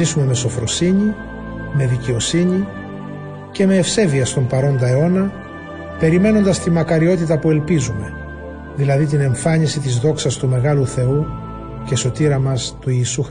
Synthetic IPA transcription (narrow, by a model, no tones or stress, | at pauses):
isume̞me̞so̞fɾo̞siɲi | me̞ðice̞o̞siɲi | ce̞me̞ːfse̞viɐst̪o̞mpɐɾo̞nd̪ɐe̞o̞nɐ | pe̞ɾime̞no̞nd̪ɐst̪imɐkɐɾio̞t̪̬it̪ɐpue̞lpizume̞ | ðilɐðit̪̬ine̞ɱfɐɲisit̪izðo̞ksɐst̪ume̞ɣɐluθe̞u | ce̞so̞t̪iɾɐmɐst̪uiːsux